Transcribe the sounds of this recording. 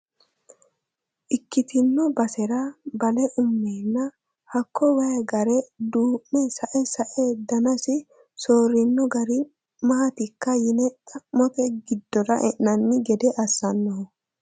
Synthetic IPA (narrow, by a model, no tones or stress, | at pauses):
ʔɪkːɪt̪ɪnːɔbɐsɛɾɐbɐlɛʔʊmːeːnːɐ | hɐkːɔwɐjɐɡɐɾɛd̪uːʔnɛsɐʔɛsɐʔed̪ɐnɐsɪ | soːɾɪnːɔɡɐɾɪ | mɐhɐt̪ɪkːɐjɪnɛt̪ʼɐmːɔt̪ɛɡɪd̪ːɔɾɐʔɛʔːɐnːɪɡɛd̪ɛʔɐsːɐnːɔɔ